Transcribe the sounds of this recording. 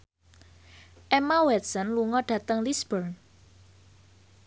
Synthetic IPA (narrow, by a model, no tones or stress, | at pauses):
ʔɛmawɛt̪̚sɔnluŋɔɖ̥ä̤t̪əŋlisbərn